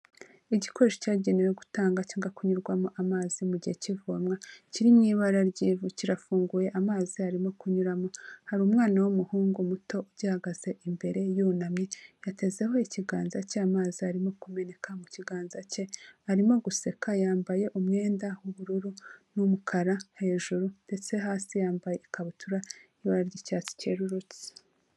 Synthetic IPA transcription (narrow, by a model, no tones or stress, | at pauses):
iɟiko̞ɾeʃo̥caːɟeniweɡutaːŋɡat͡ʃaːŋɡakuɲuɾɡwamoʔamaːzimuɟihe̞civumŋaciɾimɲiːβaɾaɾɟiːvuciɾafuːŋɡuje̞ʔamaːziaɾimo̞kuɲuɾamo̞haɾuːmŋaːnawomuhuːŋɡumuto̞uɟahaɡaz̥e̞ʔimbe̞ɾe̞junamɲe̞jate̞ze̞ho̞iciɡaːnzaceamaːziaɾimo̞kume̞ne̞kʰamuciɡaːnzace̞aɾimo̞ɡuse̞kajaːmbaje̞ʔumŋe̞ːndawuβuɾuɾunumukʰaɾahe̞ːʒuɾunde̞t͡se̞ɦaːsijaːmbaje̞ikaβutʰuɾaiβaɾaɾɟicaːt͡si̥ce̞̰ːɾuɾut͡si̥